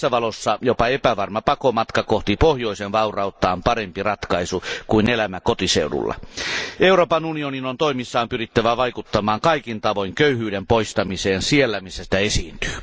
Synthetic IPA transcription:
sːæʋɑlosːɑjopɑepæʋɑrmɑpɑkomɑt̪kɑkoht̪ipohjoisenʋɑurɑut̪ːˑɑːmpɑrempirɑt̪kɑisukuinelæmækot̪isḛudṵlːɑ̰euroːpɑnunioninont̪oimisːɑːmpyrit̪ːæʋæʋɑikut̪ːɑmɑːŋkɑikint̪ɑʋoiŋkøyhyːdempoist̪ɑmiseːnsielːæmisːæsi̥t̪æesiːnt̪y̥ː

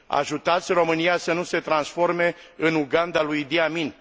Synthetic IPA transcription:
a̰ʒut̪at̪sʲro̞mɨnijasənuse̞t̪ɾansfo̞rme̞ɨnuɡand̪alujd̪iamin

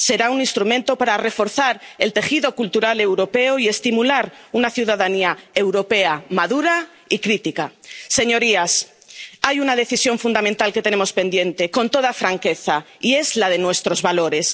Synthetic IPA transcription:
se̞ɾaunĩnst̪ɾumẽ̞nt̪opaɾare̞fo̞ɾθaɾelt̪e̞xiðo̞kult̪uɾale̞wɾo̞pe̞oie̞st̪imulaɾunaθjuð̞aðaniae̞wɾo̞pe̞amaðuɾa | ikɾit̪ikase̞ɲo̞ɾias | ajunað̞e̞θisjo̞ɱfund̪amẽnt̪alke̞t̪e̞nemospend̪je̞nt̪e̞ko̞nt̪o̞ð̞afɾaŋke̞θa | ie̞zlað̞e̞nwe̞st̪ɾo̞zβalo̞ɾe̞s

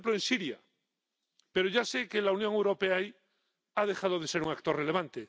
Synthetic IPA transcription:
ploensiɾja | pe̞ɾo̞ʝasekelaunjoŋewɾo̞peaj | aðexað̞oðe̞se̞ɾuŋak̚t̪o̞rele̞β̞ant̪e

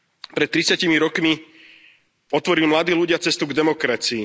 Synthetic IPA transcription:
pɾɛt̪̚ːɾit͡sɪacimiɾɔkmi | ɔt̪ʋɔɾilmlad̪iːluɟɪat͡sɛst̪uɡd̪ɛmɔkɾat͡siː

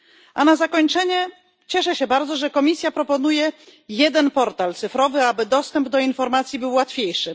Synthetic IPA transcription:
ʔanazakɔɲt͡ʂɛɲɛ | t͡ɕɛʂɛɕɛbaɾd̪zɔʐɛkɔmʲisʲjapɾɔpɔnujɛjɛd̪ɛnpɔɾt̪alt̪sɘfɾɔvɘabɘd̪ɔst̪ɛmbd̪ɔinfɔɾmat̪sʲjibɘwːat̪fʲjejʂɘ

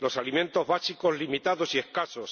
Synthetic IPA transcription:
lo̞salimẽ̞nt̪o̞ɦβasiko̞zlimit̪aðo̞sie̞hkaso̞s

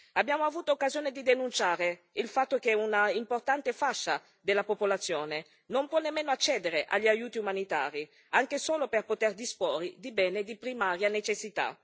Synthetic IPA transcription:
abːjaːmoavuːt̪ookːazjoːned̪id̪enunt͡ʃaːɾe | ilfat̪ːok̟eunaimport̪ant̪efaʃːa | d̪elːapopolat̪sːjoːne | nompwɔnːemːeːnoat͡ʃːɛːd̪eɾeʔa̰ʎːiajuːt̪iumanit̪a̰ːɾi | aŋk̟esoːloperpot̪erd̪ispoːrid̪ibɛːned̪ipɾimaːɾjanet͡ʃesːit̪a̰

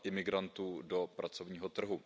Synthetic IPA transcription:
ʔɪmɪɡɾant̪uːdo̞pɾat͡so̞vɲiːɦo̞t̪r̩ɦu

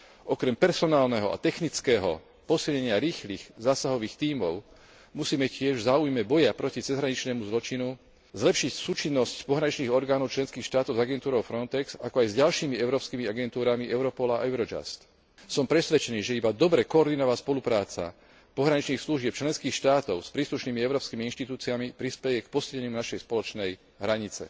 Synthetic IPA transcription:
ʔɔkɾɛmpɛɾsɔnaːlnɛɦɔʔa̰t̪ɛxnit͡skɛːɦɔ̰ | pɔsilɲɛɲɪaɾiːxliːɣzaːsaɦɔʋiːxt̪iːmɔʊ | musiːmɛcɪɛʒzaːujmɛbɔjapɾɔcit͡sɛzɦɾaɲit͡ʃnɛːmuzlɔt͡ʃinu | zlɛpʃicsuːt͡ʃinːɔscpɔɦɾaɲit͡ʃniːɣɔɾɡaːnɔʊt͡ʃlɛnskiːxʃt̪aːt̪ɔʊzaɡɛnt̪uːɾɔʊfɾɔnt̪ɛksakɔajzɟalʃiːmiɛʊɾɔːpskimiaɡɛnt̪uːɾamiʔɛʊɾɔpɔlaa̰ɛʊɾɔd͡ʒa̰st̪ | sɔmpɾɛsʋɛt͡ʃɛniːʒɛibad̪ɔbɾɛkɔːɾd̪inɔʋaspɔlupɾaːt͡sa̰ | pɔɦɾaɲit͡ʃniːxsluʒɪɛp̚t͡ʃlɛnskiːxʃt̪aːt̪ɔʊspɾiːsluʃniːmiɛʊɾɔːpskimiinʃt̪it̪uːt͡siamipɾispɛjɛkpɔsilɛɲunaʃɛjspɔlɔt͡ʃnɛj | ɦɾaɲit͡sɛ̰

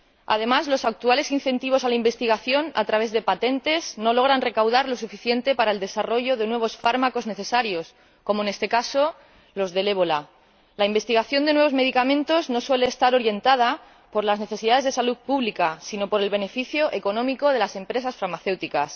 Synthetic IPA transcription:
a̰ð̞e̞mazlo̞sak̚t̪uale̞sin̟θe̞nt̪iβ̞o̞salaimbe̞st̪iɣaθjo̞na̰t̪ɾaβe̞zðe̞pat̪e̞nt̪e̞zno̞lo̞ɣɾanre̞kawðaɾlo̞sufiθje̞nt̪e̞paɾaeld̪e̞saro̞ʝo̞ðe̞nwe̞β̞o̞sfaɾmako̞zne̞θe̞saɾjo̞s | ko̞moene̞st̪e̞kaso̞ | lo̞zðe̞le̞βo̞la | laimbe̞st̪iɣ̞aθjo̞nd̪e̞nwe̞β̞o̞zme̞ð̞ikamẽnt̪o̞zno̞swe̞leːst̪aɾo̞ɾje̞nt̪að̞a | po̞ɾlazneθesiðaðe̞zðe̞saluðpuβlikasino̞po̞ɾe̞lβe̞ne̞fiθjo̞ʔe̞ko̞nõ̞miko̞ð̞e̞lase̞mpɾe̞sasfaɾmaθe̞wt̪ikas

